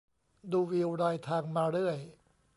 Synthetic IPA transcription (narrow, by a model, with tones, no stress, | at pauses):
duː˧wi˧wɾaː˧jt̪ʰaː˧ŋmaː˧ɾɯ˥˩əj